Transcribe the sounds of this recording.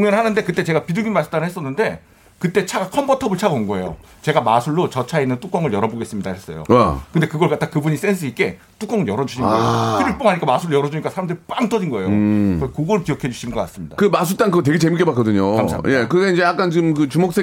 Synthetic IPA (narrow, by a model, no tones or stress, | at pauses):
oŋjʌnɯɭhanɯnde̞kɯt͈e̞t͡ɕe̞ɡapidɯɡinmasʰɯ̥t͈anɦes͈ʌnːɯnde̞ | kɯt͈e̞t͡ɕʰakʰʌmbʰʌtʰʌbɯɭt͡ɕʰaɡoŋɡoe̞jo̰ | t͡ɕe̞ɡamasʰuɭːot͡ɕʌt͡ɕʰainːɯnt͈uk͈ʌŋɯɭjʌɾʌboɡe̞s͈ɯmɲidahe̞s͈ʌjo̰akɯnde̞kɯɡʌɭkatʰakɯbuɲis͈e̞ns̬ʰɯik͈e̞ | t͈uk͈ʌŋɯɭjʌɾʌd͡ʑuɕʰinɡkʰɯɾip͈oɦaɲik͈amasʰuɾojʌɾʌd͡ʑuɲik͈asʰaɾamdɯɾip͈aŋt͈ʌd͡ʑinɡʌe̞jokʌkoɡʌɭkijʌkʰe̞d͡ʑuɕʰinɯnɡʌk͈a̰s͈ɯmɲidakɯmas̬ʰut͈aŋkɯɡʌt̬weɡet͡ɕemik͈ebak͈ʌdɯɲokasʰa̰mːjekɯɡaind͡ʑe̞jak͈ant͡ɕiɡɯmkɯt͡ɕumok̚s͈e